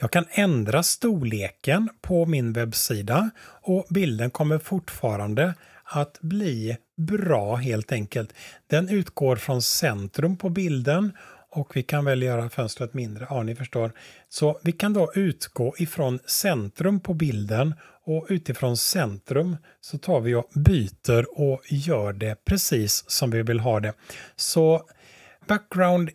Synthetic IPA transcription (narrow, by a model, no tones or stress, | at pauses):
jɑːɡ̚kʰanɛnd̪ɾast̪uːɭeːkənpʰɔmɪnvɛbsiːd̪aɔbɪld̪ənkʰɔmːəɾfʊʈːfɑːɾand̪ə | at̪bliː | bɾɑːɦeːlt̪ɛŋkəlt̪d̪̥ɛnʉ̟ːt̪ɡ̥oːɾfɾɔnsɛnt̪ɾɵmpʰɔbɪld̪ənɔkvɪkʰanvɛljœːɾafœnst̪ɾət̪mɪnd̪ɾəanɪfœʂʈoːɾsɔvɪkʰand̪ɔʔʉ̟ːt̪ɡoːʔɪfɾɔnsɛnt̪ɾɵmpʰɔbɪld̪ən | ɔʉ̟ːt̪ɪfɾɔːnsɛnt̪ɾɵm | sɔt̪ʰɑːɾvɪjɔbyːt̪əɾɔjœːɖɛpʰɾɛsiːsːɔmvɪvɪlɦɑːd̪ɛsɔ | bæk̚ɡɾaʊnd̪